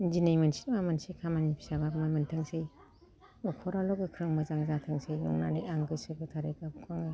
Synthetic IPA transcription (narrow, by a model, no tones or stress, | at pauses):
inzinejmansi̥t̚mamansejkʰamanipʰi̥sabap̚mamantʰɯŋsej | ɔkʰɔɾalɔkɡɯkʰɾɯŋmɯzaŋzatʰɯŋsejnɔ̰ŋna̰niaŋɡɯsɯbɯtʰaɾekabkʰaŋɯ